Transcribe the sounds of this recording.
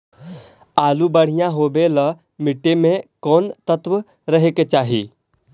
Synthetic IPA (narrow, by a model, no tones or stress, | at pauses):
aːlubəɽ̤ijãɦoːbelə | mɪʈːemẽkɔːnt̪ət̪w | ɾəɦeket͡ʃaːɦḭː